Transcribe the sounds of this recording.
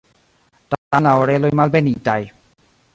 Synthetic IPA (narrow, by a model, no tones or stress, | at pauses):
tatalaoɾelojmalbenit̪aj